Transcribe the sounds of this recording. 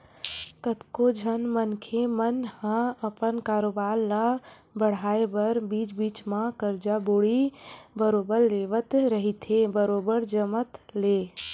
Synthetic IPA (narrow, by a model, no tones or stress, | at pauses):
kət̪kod͡ʒʱənmənkʰemənhãəpənkaːɾoːbaːɾla | bəɽ̤aːebəɾbiːt͡ʃbiːt͡ʃmãkəɾd͡ʒaboːɽibəɾoːbəɾleːʋət̪ɾəɦit̪ʰebəɾoːbəɾd͡ʒəmət̪leː